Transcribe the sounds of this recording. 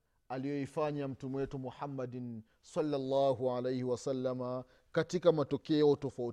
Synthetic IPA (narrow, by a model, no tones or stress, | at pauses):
alijɔifaɲam̩tumɛwɛtumuħamːadn | salːalːaːɦuʕalejhiwasalːama | katikamatɔkɛɔtɔfau